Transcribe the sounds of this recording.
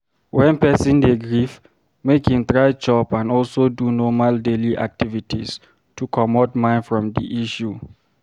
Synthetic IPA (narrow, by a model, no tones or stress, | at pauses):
wɛ̃npɛsĩndeɡɹif | mekhĩmt̪ɹajd͡ʒɔpãnɔlsodunɔmaldeliʔa̰k̚tivitʰis | tʰukʰɔmodmãɪ̃nfɹɔ̃mdḭʔiʃu